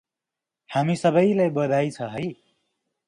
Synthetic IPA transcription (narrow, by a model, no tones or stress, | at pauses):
hamisʌbʌjlajbʌd̪ʱajt͡sʰʌɦʌj